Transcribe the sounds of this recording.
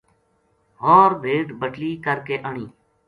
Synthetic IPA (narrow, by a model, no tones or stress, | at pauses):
ɦoːɾbʱeːʈbəʈliːkəɾkeːʔəɳiː